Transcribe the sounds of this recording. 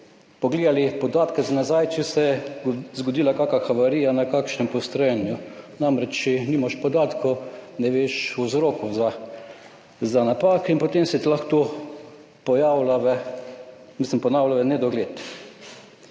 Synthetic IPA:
pɔɡleːd̪alipɔd̪aːt̪kɛzanazajt͡ʃɛsɛjɛzɡod̪iːlakaːkaxaʋaɾiːjanakaːkʃnɛmpɔst̪ɾɔjɛnjʊnamɾɛt͡ʃt͡ʃɛniːmaʃpɔd̪aːt̪konɛʋeːʃuzɾoːkʊza | zanapaːkinpot̪emsɛt̪ilaxt̪o | pɔjawlaʋɛ | mislimpɔnaːwlaʋɛnɛd̪ɔɡleːt̪

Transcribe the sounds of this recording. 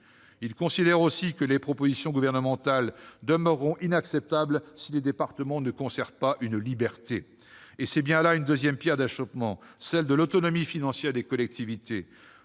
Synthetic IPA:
ilkɔ̃sid̪ɛʁosikəlepχɔpozisjɔ̃ɡuvɛʁnəmɑ̃t̪ald̪əmœʁːɔ̃ʔinaksɛp̚t̪ablsiled̪epaʁt̪əmɑ̃nəkɔ̃sɛʁvpaʔynlibɛʁt̪eː | sɛbjɛ̃laynd̪øzjɛmpjɛʁd̪aʃɔpmɑ̃sɛld̪əlot̪ɔnɔmifinɑ̃sjɛʁd̪ekɔlɛk̚t̪ʰivit̪e

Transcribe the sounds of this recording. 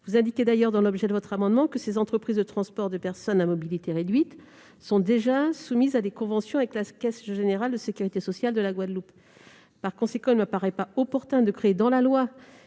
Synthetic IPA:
vuzɛ̃d̪ikʲed̪ajœʁd̪ɑ̃lɔbʒɛd̪əvɔt̪χamɑ̃d̪mɑ̃kəsezɑ̃t̪χəpχizd̪ət̪χɑ̃spɔʁd̪əpɛʁsɔnamɔbilit̪eʁed̪ɥit̪ | sɔ̃d̪eʒasumizad̪ekɔ̃vɑ̃sjɔ̃avɛklakʲɛsʒeneʁald̪əsekʲyʁit̪esɔsjald̪əlaɡwad̪lupː | aʁkɔ̃sekɑ̃ilməpaʁɛpaɔpɔʁt̪ɛ̃d̪əkχeːd̪ɑ̃lalwa

